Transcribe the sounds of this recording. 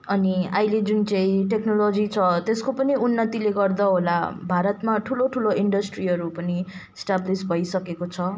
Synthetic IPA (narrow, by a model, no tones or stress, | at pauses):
ʌniajled͡zunt͡sʌ̃ĩʈeknolod͡zit͡sʰʌt̪eskopʌniunːʌt̪ileɡʌrd̪ʌɦola̰bʱaɾʌt̪maʈʰuloʈʰuloiɳɖʌsʈriɦʌɾupʌni | sʈablisbʱʌjsʌkekot͡sʰʌ